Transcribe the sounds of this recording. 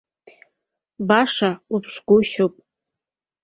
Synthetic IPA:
baʂaupʰʂʷɡʷʊʃopʼ

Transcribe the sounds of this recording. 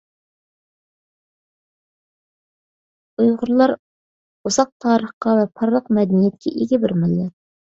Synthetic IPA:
ujʁʊɾlˠɑɾ | uz̥ɑq̚t̪ʰɑːɾəχqɑvɛpʰɑɾlˠəqmɛd̪ɛnijɛt̪̚kʲʰɛ̰ʔeɡʲibɪɾmɪlːɪ

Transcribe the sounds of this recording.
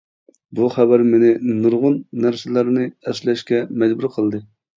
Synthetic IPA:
buχæbæɾmɪnɪnuɾʁʊnːæɾsɪlæɾnɨɛslɛʃkʲɛmɛd͡ʒbuɾqʰəlˠd̪ɨ

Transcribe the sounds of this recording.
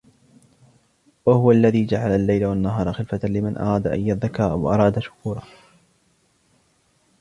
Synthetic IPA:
wahʊwalːaðiːd͡ʒaʕalalːajlawanːaɦɑːɾˤɑxɪlfat̪alɪmanʔɑ̰ɾˤɑːd̪aʔa̰jːaðːakaːʔawʔɑ̰ɾˤɑːd̪aʃʊ̥kuːɾˤɑ

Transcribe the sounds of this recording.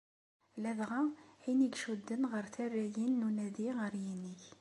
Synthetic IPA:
læðʁæiniɡʃud̪ːənʁəɾθærːæjinːunæðiʁəɾjiniç

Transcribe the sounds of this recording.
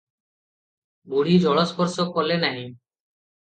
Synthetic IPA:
boɽid͡ʑʱɔɭospoɾsokːɔlenaɦi

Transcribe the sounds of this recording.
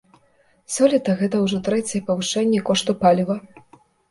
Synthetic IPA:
sɔlʲit̪ɐɣɛt̪ɐwʐɔt̪ɾɛt͡sʲjɛpɐvɨʂɛnʲːɛkɔʂt̪upalʲivɐ

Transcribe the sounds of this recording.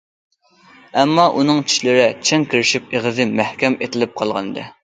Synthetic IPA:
ɛmːɑʔunɨŋt͡ʃʰi̥ʃlɪɾɛt͡ʃʰɛŋkʲʰiɾɪʃip̚eʁɨzɨmæhkʲɛmet̪ʰɪlɪp̚qʰɑlˠʁɑnɨd̪ɨ̰

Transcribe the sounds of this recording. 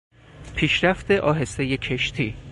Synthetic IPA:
pʰiːʃɾæft̪eʔɒːɦe̞se̞jecʰeʃt̪ʰiː

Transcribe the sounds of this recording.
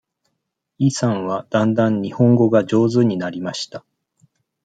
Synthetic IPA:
iːsãɰ̃βad̪̥ãnd̪ãɲ̟ɲihõ̞ŋɡo̞ɡad͡ʑo̞ːzɨɲ̟inaɾʲimaɕi̥t̪a

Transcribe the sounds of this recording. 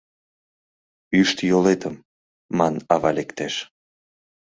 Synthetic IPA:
yʃt̪jolet̪əmː | ɑnɑβɑlekt̪eʃ

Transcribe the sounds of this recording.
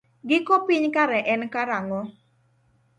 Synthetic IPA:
ɡɪkopiɲkaɾɛʔɛnkaɾaŋɔ

